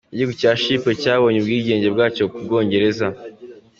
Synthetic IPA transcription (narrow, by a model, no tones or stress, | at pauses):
eɟikucaːʃiːpecaːβo̞ːɲebɡiːɟe̞ːɲɟe̞bɡaːco̞kub̚ɡo̞ːɲɟe̞ɾe̞za